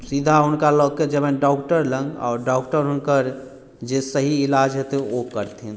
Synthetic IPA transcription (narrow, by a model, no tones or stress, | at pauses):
sid̪ʱaɦʊnkalɔɡ̚ked͡ʒəbɛ̃ɖɔːkʈəɾlə̃ŋɡɔ̰ːɾɖɔːkʈəɾɦʊnkəɾ | d͡ʒesəɦiːlad͡ʒɦet̪eokəɾt̪ɦin